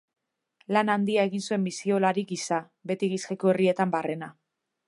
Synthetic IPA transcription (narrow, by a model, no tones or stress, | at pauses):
lanand̪iae̞ɣinsue̞mbisio̞laɾiɡisa | be̞t̪iɣiskekoe̞rie̞t̪ambare̞na